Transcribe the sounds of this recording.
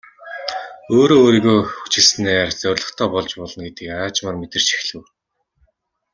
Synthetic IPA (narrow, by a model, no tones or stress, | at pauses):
oːɾoːɾiːɣoːxut͡ɕɪ̆ɮsnæːrt͡sœrʲɮə̆χt̪ʰɔːpɔɮt͡ɕpɔɮɞ̆nɡet̪ɘ̆kaːt͡ɕmarmet̪ɘ̆r̥t͡ɕʰi̥xɮɘ̆w